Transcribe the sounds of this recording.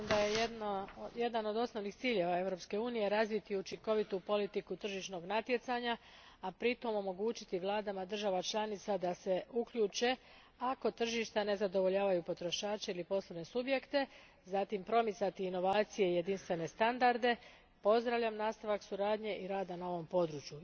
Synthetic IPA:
md̪ajejed̪naje̞d̪ano̞d̪o̞sno̞ʋnixt̪siːʎe̞ʋae̞ʋɾo̞pske̞uːnije̞ɾazʋit̪iut͡ʃiŋko̞ʋit̪upo̞lit̪ikut̪r̩ʒiʃno̞ɡnat̪je̞t̪saɲa | apɾit̪o̞mo̞mo̞ɡuːt͡ɕit̪iʋlˠaːd̪amad̪r̩ʒaʋat͡ʃlˠanit̪sad̪ase̞ukʎuːt͡ʃe̞ | ako̞t̪r̩ʒiʃt̪ane̞zad̪o̞ʋo̞ʎaːʋajupo̞t̪ɾo̞ʃaːt͡ʃeilipo̞slaʋne̞subje̞kt̪e̞ | zat̪impɾo̞mit̪sat̪iːno̞ʋaːt̪sije̞ije̞d̪inst̪ʋe̞ne̞st̪and̪aɾd̪e̞ | po̞zd̪ɾaʋʎʲamnaːst̪aʋaksuɾaːd̪ɲe̞ʔiɾaːd̪anao̞ʋo̞mpo̞d̪ɾuːt͡ʃju

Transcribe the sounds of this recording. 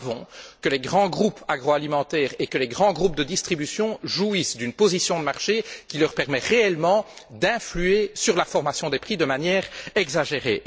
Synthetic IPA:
vɔ̃kəlɛɡʁɑ̃ɡʁupʰaɡʁoalimɑ̃t̪ɛːʁekəlɛɡʁɑ̃ɡʁup̚d̪əd̪ist̪χibysjɔ̃ʒuisd̪ynpozisjɔ̃d̪əmaʁʃekʲilœʁpɛʁmɛʁeɛlmɑ̃d̪ɛ̃flyesyʁlafɔʁmasjɔ̃d̪ɛpχid̪əmanjɛːʁɛɡzaʒeʁḛ

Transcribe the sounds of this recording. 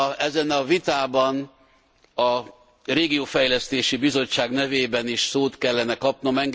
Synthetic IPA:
ɛzɛnɒvit̪aːbɒn | ɒ | reːɡioːfɛjlɛst̪eːʃibizo̞t͡ʃːaːɡnɛveːbɛniʃsoːt̪kɛlːɛnɛkɒpno̞mɛŋɡ

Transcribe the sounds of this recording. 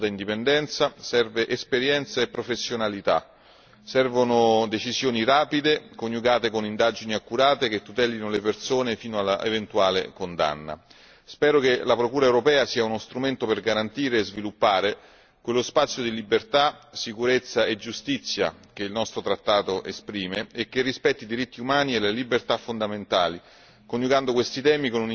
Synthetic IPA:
d̪aind̪ipend̪ɛnt̪sasɛrveʔespeɾjɛnt̪saepːɾofesːjonalit̪a̰ | sɛrvonod̪et͡ʃizjoːniɾaːpid̪ekonjuɡaːt̪ekonind̪aːd͡ʒiniakːuɾaːt̪ek̟et̪ːut̪ɛːlinolepersoːnefiːnoala̰ʔḛvent̪uaːlekond̪a̰nːa̰ | spɛːɾokelapɾokuːɾaewɾopɛːasiːaunost̪ɾument̪operɡaɾant̪iːɾeːzvilupːaːɾe | kwelːospat̪sːjod̪ilibert̪asikuɾet̪sːaed͡ʒust̪it̪sːja̰k̟eilnɔst̪ɾot̪ɾat̪ːaːt̪oʔespɾiːmeːk̟ːerːispɛt̪ːid̪iɾit̪ːiumaːnielelibert̪afːond̪ament̪aːli | konjuɡand̪okwest̪it̪ɛːmikonun

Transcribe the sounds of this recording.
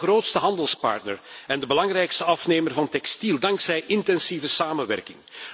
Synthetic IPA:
roːtstəɦɑndəlˠspɑ̰rtnə̰rɛndəbəlɑŋrɛjkstəɑfneːmərvɑntɛkstilˠdɑŋksɛjʔɪntɛnsivəsaːmənʋɛ̰rkɪŋ

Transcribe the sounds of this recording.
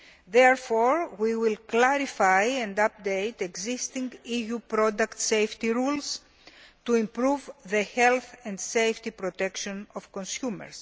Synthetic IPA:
ðeɾfoɾwiwilklaɾifajẽnd̪ɐp̚d̪ejt̪eɡzist̪ĩŋɡijupɾod̪ɐkt̪sejft̪iɾuls | t̪uĩmpɾuvðehelθẽnd̪sejft̪ipɾot̪e̞kʃõnofkonsjumḛɾs

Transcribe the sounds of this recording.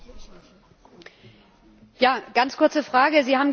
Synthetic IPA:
jaːɡ̥ant͡skʰʊɐt͡səfʁ̥aːɡəziːhaːbm̩

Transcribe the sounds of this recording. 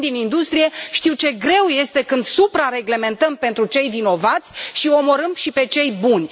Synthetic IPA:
d̪inind̪ust̪ɾije̞ʃt̪iwt͡ʃe̞ɡɾe̞wje̞st̪e̞kɨnd̪supɾaɾe̞ɡle̞me̞nt̪əmpe̞nt̪ɾut͡ʃe̞jvino̞vat̪sʲʃio̞mo̞ɾɨmʃipe̞t͡ʃe̞jbunʲ

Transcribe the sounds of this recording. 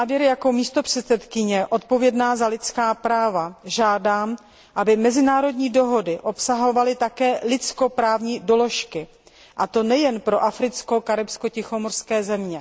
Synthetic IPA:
avjɛɾjako̞miːst̪o̞pr̝̥ɛt̪sɛt̪kɪɲɛʔo̞t̪̚po̞vjɛdnaːzalɪt̪t͡skaːpɾaːvaʒaːdaːm | ʔabɪmɛzɪnaːɾo̞dɲiːdo̞ɦo̞dɪʔo̞psaɦo̞valɪt̪akɛːlɪt͡sko̞pɾaːvɲiːdo̞lo̞ʃkɪ | ʔat̪o̞nɛjɛnpɾo̞ʔafɾɪt͡sko̞kaɾɪpsko̞cɪxo̞morskɛːzɛmɲɛ

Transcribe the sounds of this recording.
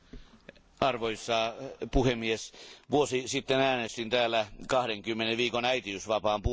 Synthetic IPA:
ɑrʋoisːɑːpuhemːiesʋuosisit̪ːenæːnest̪int̪æːlːækɑhdeŋkymːeneʋiːkonæit̪iysʋɑpɑːmpu

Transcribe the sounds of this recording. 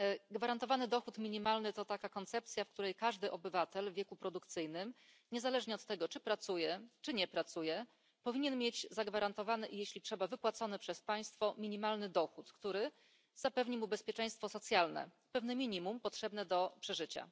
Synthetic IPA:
ɡvaɾant̪ɔvanɘd̪ɔxut̪mʲiɲimalnɘt̪ɔt̪akakɔnt̪sɛp̚t̪sʲjafkt̪uɾɛjkaʐd̪ɘʔɔbɘvat̪ɛlvʲjɛkupɾɔd̪ukt̪sɘjnɘm | ɲɛzalɛʐɲɛɔt̪ːɛɡɔt͡ʂɘpɾat̪sujɛt͡ʂɘɲɛpɾat̪sujɛ | pɔvʲiɲɛnmʲjed͡ʑzaɡvaɾant̪ɔvanɘʔijeɕlʲitʂɛbavɘpwat̪sɔnɛpʂɛspaj̃st̪fɔmʲiɲimalnɘd̪ɔxut̪kt̪uɾɘ | z̥apɛvɲimubɛspʲjɛt͡ʂɛj̃st̪fɔsɔt̪sʲjalnɛ̰ | pɛvnɛmʲiɲimumpɔtʂɛbnɛd̪ɔpʂɛʐɘt͡ɕa̰

